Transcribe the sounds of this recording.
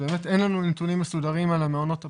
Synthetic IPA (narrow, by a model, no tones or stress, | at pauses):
be̞ːmet̪ʔenlanunetunimːesudaʁimalameo̞no̞t̪ha